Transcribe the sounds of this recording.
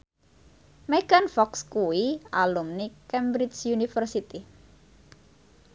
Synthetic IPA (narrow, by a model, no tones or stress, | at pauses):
meɡ̥anfɔkskuwiʔalumnikɛmbɾisjunifərsit̪i